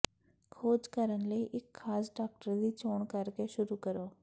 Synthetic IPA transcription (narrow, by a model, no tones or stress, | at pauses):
kʰoːd͡ʒkəɾənləiʔɪkxaːsɖaːk̚ʈəɾd̪iːt͡ʃoːɳkɐɾkeʃʊɾukəɾoː